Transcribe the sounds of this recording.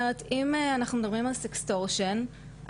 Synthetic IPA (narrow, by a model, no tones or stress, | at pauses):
t̪imeanaχnumed̪abʁimalskstoʁʃon